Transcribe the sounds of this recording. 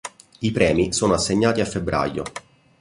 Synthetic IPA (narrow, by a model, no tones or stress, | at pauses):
ipɾɛːmisoːnoasːeɲːaːt̪iafːebːɾa̰jo̰